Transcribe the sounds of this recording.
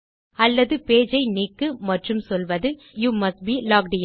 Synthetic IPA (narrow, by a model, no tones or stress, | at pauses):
ɐlːɐðɯpeːd͡ʒɐɪniːkːɯmɐʈrɯmsɔlʋɐðɯ | juːmɐsʈ̚biːlaːk̚ɖɪj